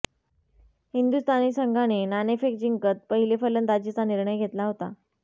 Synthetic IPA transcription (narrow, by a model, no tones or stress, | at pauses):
hind̪ust̪ʰaniːsəŋɡʱañenanefek̚d͡ʑiŋkət̪̚pəɦilefələnd̪ad͡ʑit͡saniɾɳəjɡʱet̪laɦot̪a̰